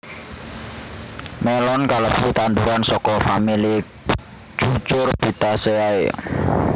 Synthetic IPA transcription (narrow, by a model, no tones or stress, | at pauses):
mɛlɔnkaləpsut̪and̪uɾansɔkɔfamili̥ | t͡ʃut͡ʃʊrb̥i̤t̪aseaḛ